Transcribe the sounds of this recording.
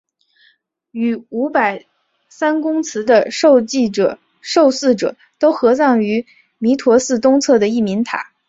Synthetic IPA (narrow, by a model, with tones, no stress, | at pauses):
y˨˩u˧˥pa˨˩ɪ | sa˥nkʊ˥ŋt͡sʰɹ̩˧˥d̪ə˧ʂo˥˧ʊt͡ɕi˥˩ɤ˨˩ | ʂo˥˧ʊsɹ̩˥˩ʈ͡ʂɤ̰˨˩˦ | t̪o˥ʊxɤ˧˥sɑ˥˩ŋy˧˥ | mi˧˥t̪ʰwɔ˧˥sɹ̩˥˧t̪ʊ˥ŋt͡sʰɤ˥˩d̪ə˩i˥˩mi˧˥ŋt̪ʰa̰˨˩˦